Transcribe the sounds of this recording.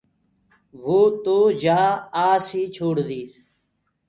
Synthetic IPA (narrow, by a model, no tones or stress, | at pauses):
ʋoːt̪oːd͡ʒaːaːsiːt͡ʃʰoːɽd̪iːs